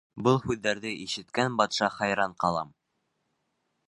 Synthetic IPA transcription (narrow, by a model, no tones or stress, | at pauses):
bɤlˠhʉðːæɾðɘʔiʃɘ̆t̪kænbɑt̪ʃɑχɑjɾɑɴqɑlˠɑm